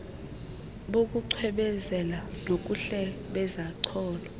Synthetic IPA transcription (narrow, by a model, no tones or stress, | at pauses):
ɓok̬ʼuǀʰwɛɓɛzɛlanok̬ʼuɬɛɓɛzaǀʰɔːlɔ